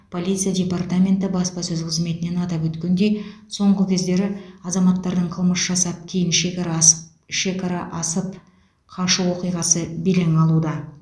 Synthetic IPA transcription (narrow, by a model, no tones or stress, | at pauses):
pʰo̞lʲˠit̪sɨjadʲe̞part̪amʲe̞nt̪ɪbɑspɑsɵzqʰəzme̞t̪ɪne̞nɑt̪ɑpwɵt̪kʲe̞nd̪e̞jso̞ɴʁəkʲʰe̞zd̪e̞ɾɪɑzɑmɑt̪ːɑɾd̪əɴqʰəlˠməsʒ̥ɑsɑp̚kʲʰejɪnʃe | ʃe̞kɑɾɑʔɑsəp | qʰɑʃəwo̞qijʁɑsəbeleŋɑlˠud̪ɑ